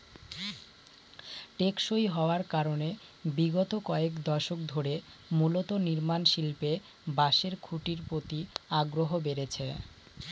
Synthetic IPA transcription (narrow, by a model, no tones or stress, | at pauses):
ʈekʃojɦɔoaɾkaɾone | biɡot̪okɔekd̪ɔʃok̚d̪ʱoɾe | mulot̪oniɾmanʃilpe | baʃeɾkʰuʈiɾpɾot̪iaɡɾoɦobeɾet͡ɕʰḛ